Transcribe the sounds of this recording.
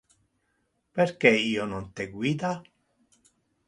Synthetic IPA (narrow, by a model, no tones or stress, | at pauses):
peɾkeiːonont̪eɡwiːd̪a